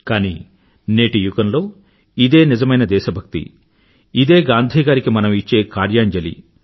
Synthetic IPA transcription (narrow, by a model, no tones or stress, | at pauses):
kaːni | neːʈijukɐnlo̞ː | id̪e̞ːnizɐmɐjnɐd̪ɛːʃɐbʱɐk̚t̪ḭ | id̪e̞ːɡaːnd̪ʱiːɡaːɾikimɐnɐmit͡ʃːe̞ːkaːɾjaːɲd͡ʒɐlḭ